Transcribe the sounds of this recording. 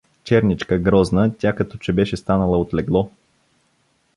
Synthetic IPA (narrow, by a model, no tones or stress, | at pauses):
t͡ʃɛɾnit͡ʃkəɡɾɔznətʲakɐt̪ɔt͡ʃɛbɛʃɛst̪anəlˠəot̪lɛɡlˠɔ